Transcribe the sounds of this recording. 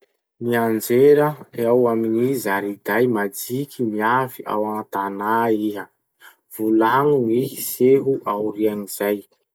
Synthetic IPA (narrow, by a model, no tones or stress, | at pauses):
miand͡zeɾəawaminizaɾid̪ajmad͡zikʰimiaviʔa̰want̪anaiɦə | v̥ulaŋuiseɦuʔawuɾiaŋiz̥aj